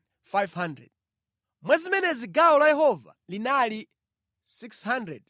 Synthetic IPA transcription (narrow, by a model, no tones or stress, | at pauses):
fajvhandɾɛ̰d̚ | mwɛzimɛnɛziɡaɔlajɛɦɔva̰linali | sikshandɾɛ̰d